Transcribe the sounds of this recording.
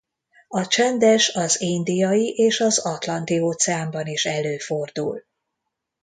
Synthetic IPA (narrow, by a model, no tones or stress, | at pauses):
ɒt͡ʃɛnd̪ɛʃɒzind̪ijɒjiʔeːʃɒzɒt̪lɒnt̪ioːt̪sɛaːmbɒniʃɛløːfo̞rd̪ṵl